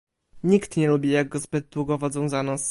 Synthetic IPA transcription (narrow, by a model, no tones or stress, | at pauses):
ɲikt̪ɲɛlubʲijaɡɡɔzbɘt̪̚ːwuɡɔvɔd̪zɔ̃w̃zanɔs